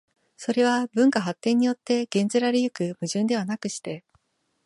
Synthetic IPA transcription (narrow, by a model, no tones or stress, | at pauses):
so̞ɾe̞β̞abɯ̟̃ŋkaɦat̪ːẽ̞ɲ̟ːijo̞t̪ːe̞ɡ̥ẽ̞nzɨɾaɾejɯ̟kɯ̟mɯ̟ʑɯ̃nd̪e̞βanakɯ̟ɕi̥t̪e̞